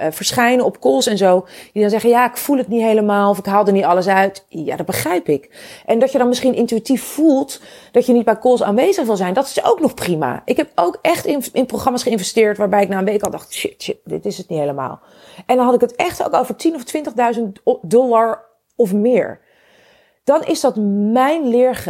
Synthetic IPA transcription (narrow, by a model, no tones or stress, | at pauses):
vəɹsχɛjnəɔpkulˠsɛnzowd̥idɑnzɛχəjaːɪkfulˠɦətnitɦejləmaːlˠɔfɪkɦaːlˠdənitɑləs̬œɥtja̰ːdɑd̚bəχrɛjpɪkʔɛndɑtjədɑnmɪsχinʔɪntyitiffulˠtd̥ɑtjənit̚bɛjkʊlˠsa̰ːnʋejzəχʋɪlˠzɛjndɑtɪ̥so̰wknɔχprima̰ʔɪkɦɛpowkɛχtɪnɪnproχrɑmaːsχəɪnvɛstɪːɹtʋaːɹbɛjɪk̚naːənʋejkɑlˠdɑχtʃɪ̰tʃɪtdɪ̰tɪsətnitɦejləma̰ːlˠ | ʔɛndɑnɦɑtɪkətɛχto̰wkowvəɹtinɔftʋɪntəχdœɥzəntdɔlaɹ | ɔfmɪːɹ | d̥ɑnɪ̰zdɑtmɛjnlɪːɹχ